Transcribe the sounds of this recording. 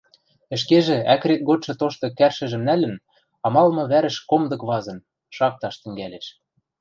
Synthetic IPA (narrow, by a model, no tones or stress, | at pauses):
ɘ̆ʃ̬keʒĕækɾet̪̚ɡot̪̚ʃɤ̆t̪oʃt̪ɤ̆kærʃɘ̆ʒɘ̆mnælɘ̆n | ɑmɑlmɤ̆βæɾɘ̆ʃkomd̪ɤ̆kβɑzɤ̆n | ʃɑk̚t̪ɑʃt̪ɘ̆ŋɡæleʃ